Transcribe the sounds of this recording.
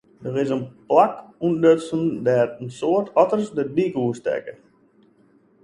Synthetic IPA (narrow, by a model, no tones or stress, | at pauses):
dəɾɪsənplakunnøtsəndɛrənsoətʰɔtərsdəbikəuəstɛ̰kə